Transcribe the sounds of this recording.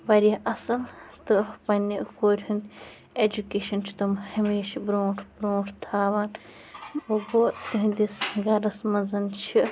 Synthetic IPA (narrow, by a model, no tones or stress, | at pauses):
ʋɐɾjɐʔɐsɐlt̪ɨpɐnʲikoːɾʲɦund̪ʲ | ed͡ʒukeːʃɐnt͡ʃʰi̥t̪umhɐmeːʃɐbɾoːʈʰbɾõːʈʰt̪ʰaːʋaːn | oboːt̪uɦĩd̪isɡɐɾɐsmɐnzɐnt͡ʃʰi